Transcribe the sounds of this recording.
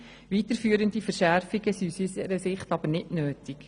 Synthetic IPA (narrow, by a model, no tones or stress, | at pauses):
ʋitəɾfyːəɾəndifəɾʃæɾfiɡəsisysəɾəsɪχtɑbəɾnɪdnøːtik